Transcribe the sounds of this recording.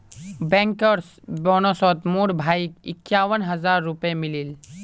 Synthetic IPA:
bɛ̃ːŋkəɾs | boːnosɔːt̪muːɽbʱaːikɪ̰kːjaːʋənɦɐzaːɾːʊpemɪliːl

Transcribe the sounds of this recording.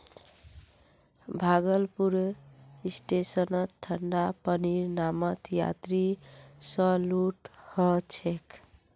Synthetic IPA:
bʱaɡəlpuɾisʈesənət̪ʰːəɳɖapəniɾnamət̪ja̰t̪ɾisəluʈhət͡ʃʰek

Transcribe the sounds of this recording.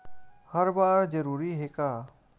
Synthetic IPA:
həɾbaːɾd͡ʒəɾuːɾiɦeːkaː

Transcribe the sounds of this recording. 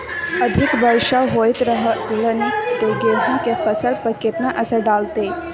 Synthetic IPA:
əd̪ʱikbəɾʃaɦojt̪ɾəɦələnit̪eɡeɦuŋkefəsəlpəket̪naʔəsəɖalt̪e

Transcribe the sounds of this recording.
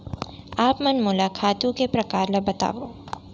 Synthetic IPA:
aːpmɐnmʊlakʰaːt̪jũkepɾɐkaːɾlɐbɐt̪a̰ːʋoː

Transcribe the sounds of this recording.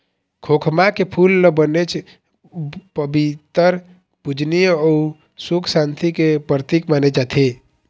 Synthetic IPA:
kʰokʰmakepʰulːəbənet͡ʃʰ | pəbit̪əɾ | pud͡ʒʱnijɔu | sukʰsant̪ʰikepɾət̪ikmaːned͡ʒat̪ʰe

